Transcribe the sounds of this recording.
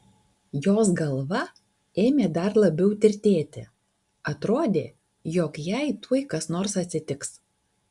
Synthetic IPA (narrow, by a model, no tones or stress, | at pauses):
joːs̬ɡɐlˠʋɐ | eːmʲeːd̪ɐɾlˠɐbʲɛʊt̪ʲɪɾʲt̪ʲeːt̪ʲɪ̰ | ɐt̪ɾoːd̪ʲeː | joːkjɛɪt̪uɔɪkɐsnoːɾsɐt̪ʲsʲɪt̪ʲɪks